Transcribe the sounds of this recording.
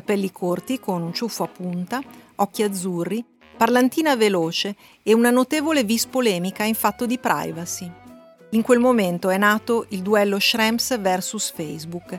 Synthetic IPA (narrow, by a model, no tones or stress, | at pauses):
kapɛlːikʰort̪ikonunt͡ʃufːoapːunt̪aɔkːiad̪zːurːi | parlant̪iːnaveloːt͡ʃeː | unanot̪eːvolevispolɛːmikaiɱfat̪ːod̪ipɾʔa̰jvasi | iŋkwelmoment̪oɛnːaːt̪oʔild̪uɛlːoʃɾɛmsvɛrsusfɛjzbuk